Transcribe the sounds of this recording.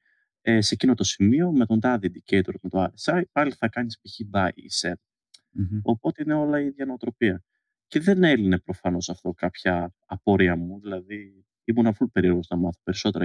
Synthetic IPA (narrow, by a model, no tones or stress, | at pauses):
ese̞cino̞t̪o̞simio̞met̪o̞nd̪ɐðid̪icejt̪oɾmet̪oɐɾesɐpɐliθɐkɐnispiçibɐḭseɾ | o̞po̞t̪e̞ine̞o̞lɐiðʝɐnoot̪ɾo̞piɐ | ce̞ðe̞ne̞line̞pɾo̞fɐno̞sɐft̪o̞kɐpçɐː | po̞ɾiɐmuðilɐði | imunɐfulupe̞ɾio̞ɣoznɐmɐθope̞ɾiso̞t̪e̞ɾɐ